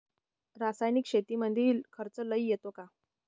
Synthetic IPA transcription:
ɾasajnikɕet̪iːmənd̪ʱiːlkʰəɾt͡sələijet̪oka

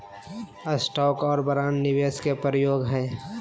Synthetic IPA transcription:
əsʈɔːkɔːɾbəɾaːnːɪʋeːskepɾəjoːɡɦɛː

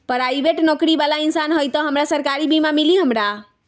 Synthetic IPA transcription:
pəɾajbeʈnɔkɾibalainsanɦojt̪ɔɦəmɾasəɾkaɾibimamiliɦəmɾa

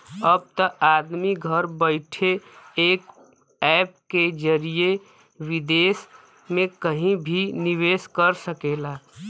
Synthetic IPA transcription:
əb̚t̪əʔaːd̪miɡʱəɾbəɪʈʰeeːk | ɛːp̚ked͡ʒəɾije | wɪd̪eːs | mẽkəɦĩbʱiniʋeːskəɾsəkeːlaː

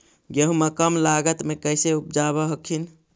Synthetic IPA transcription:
ɡeɦũməkəmlaɡət̪mekəjseup̚d͡ʒaβəɦəkʰin

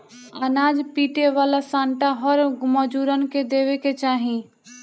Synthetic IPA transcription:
ənaːd͡ʒpiːʈeʋaːlasãːɳʈaɦɔɾɡʊməd͡ʒuɾənked̪eːʋeket͡ʃaːɦĩ

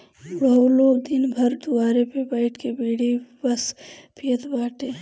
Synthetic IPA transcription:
ɽaːuloːɡ̚d̪ɪnbʱɐɾd̪ʊaːɾepebəɪʈʰkebiːɽ̤ibɐspʰiət̪baːʈeː

